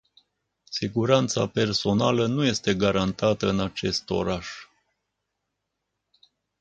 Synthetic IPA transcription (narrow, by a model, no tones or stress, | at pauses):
siɡuɾant̪sa̰pe̞rso̞nalənuje̞st̪e̞ɡaɾant̪at̪əɨnat͡ʃe̞st̪o̞̰ɾaʃ